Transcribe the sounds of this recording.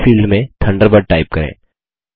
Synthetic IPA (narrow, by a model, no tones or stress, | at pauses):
fiːlɖmẽt̪ʰɐ̃ɳɖəɾbəɾ̚ʈaːɪp̚kɐɾḛ̃ː